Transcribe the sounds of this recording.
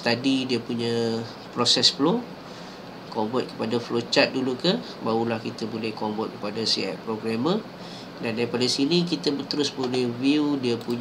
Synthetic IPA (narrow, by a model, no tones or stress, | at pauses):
st̪adidiəpuɲə̃ | pɾosɛsflo | kombɔt̪̚kə̥padaflot͡ʃat̪̚dulukə | baulahkit̪abolɛhkombɔt̪̚kə̥padasḭɛ̰ʔ̚pɾoɡɾamə | dandapadasinikit̪əbət̪əɾʊsbolɛhviudiəpuɲ